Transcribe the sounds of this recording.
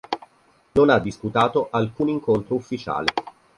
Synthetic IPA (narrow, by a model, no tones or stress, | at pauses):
nonad̪ːisput̪aːt̪oʔalkuːniŋkont̪ɾoufːit͡ʃa̰ːle